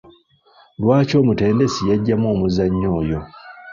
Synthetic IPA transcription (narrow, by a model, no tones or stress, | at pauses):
lwaːco̞ːmute̞ːndesijaɟːamwo̞ːmuzaɲːo̞ːjo̞